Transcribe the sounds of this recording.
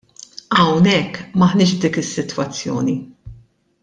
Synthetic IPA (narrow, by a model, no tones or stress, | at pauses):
ɐwnɛkːmɐħnɪːʃbd̪iːkɪsːɪt̪wɐt͡sːjɔ̰ːni